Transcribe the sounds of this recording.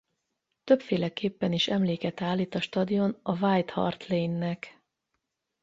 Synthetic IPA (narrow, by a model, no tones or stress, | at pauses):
t̪ø̞pfeːlɛkeːpːɛniʃɛmleːkɛt̪aːlːiːt̪ɒʃt̪ɒd̪io̞nɒvaːjt̪hɒ̰rt̪lenːɛk